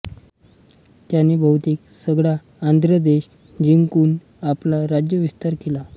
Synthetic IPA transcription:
t̪janːibʱəwt̪iːksəɡɭaː | nd̪ɾəd̪eɕ | d͡ʑiŋkuːn | aplaɾad͡ʑjəʋist̪aɾkela

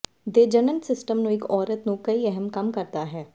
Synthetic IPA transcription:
d̪eːd͡ʒənənsɪsʈəmnũːɪkɔːɾət̪nũːkəiːɛɦɛmkɐmkəɾd̪aːɦɛː

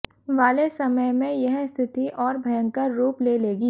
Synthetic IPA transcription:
ʋaːlesɐməjmẽjɐɦst̪ʰɪt̪iʔɔːɾbʱɐjə̃ŋkəɾːuːpleːleːɡiː

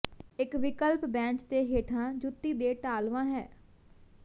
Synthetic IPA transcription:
ɪkʋɪkəlpbɛ̃ːt͡ʃd̪eːɦeːʈʰãːd͡ʒʊt̪ːiːd̪eːʈaːlʋãːɦɛː

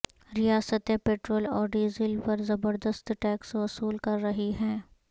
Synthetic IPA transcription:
ɾijaːsət̪epeːʈɾoːlɔːɾɖiːzɪlpɐɾzɐbəɾd̪əst̪ʈɛːksʋɐsuːlkɐɾːɐɦiɦɛ̃ː

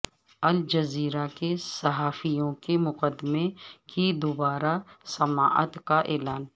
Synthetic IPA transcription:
ɐld͡ʒɐziːɾakesɐɦaːfijõkemʊqəd̪mẽkid̪obaːɾasɐma̰ːʔə̰t̪kaʔɛːlaːn

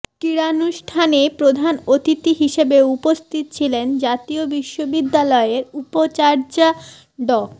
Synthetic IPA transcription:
kiɾanuʃʈʰanepɾod̪ʱanot̪it̪iɦiʃebeupost̪ʰit̪ot͡ɕʰilend͡ʑat̪iobiʃːobid̪ːalɔeeɾupot͡ɕaɾd͡ʑa | ɖɔ

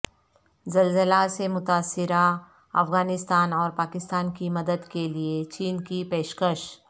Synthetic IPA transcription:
zɐlzəlasemʊt̪aːsːɪɾa | ɐfɣaːnɪst̪aːnɔːɾpaːkɪst̪aːnkimɐd̪əd̪keliet͡ʃiːnkipeːʃkəʃ

